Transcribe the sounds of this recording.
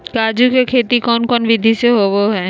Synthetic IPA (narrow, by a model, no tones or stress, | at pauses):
kaːd͡ʒukekʰeːt̪ikɔːnkɔːnʋɪd̪ʱiseɦoboɦɛː